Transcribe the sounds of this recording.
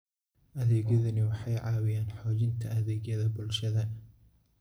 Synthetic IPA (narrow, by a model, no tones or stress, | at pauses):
ʔɐðɛːɣjɐðɐnɪwɑħɑjʕɑːwɪjaːnħɔːt͡ʃɪnt̪ʰɐɐðɛːɡjɐðɐbʊlʃɐðɐ